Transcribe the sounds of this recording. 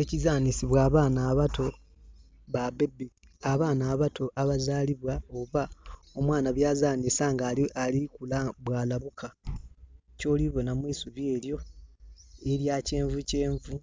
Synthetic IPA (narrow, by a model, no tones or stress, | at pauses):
ecizaːnisiβwaːβaːnaːβatʰo̞ | βabe̞bi | aβaːnaːβatʰo̞ʔaβazaːliβwaoβa | omwaːnaβjaːzaːnisaŋɡalialikulabwaːlaβukʰa | co̞ːliβo̞namwiːsuβje̞ːljo̞ | eɾjace̞ːɱvuce̞ːɱvu